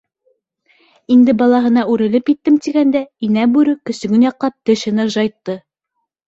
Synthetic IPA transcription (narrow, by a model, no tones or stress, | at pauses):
ind̪ɘbɑlˠɑɦɤ̆nɑʉɾɘ̆lɘpjit̪ːɘmt̪iɡænd̪æinæbʉɾɘkɵ̆sɵ̆ɡɵnjɑqːɑp̚t̪ɘ̆ʃɘ̆nɘʒɑjt̪ːɤ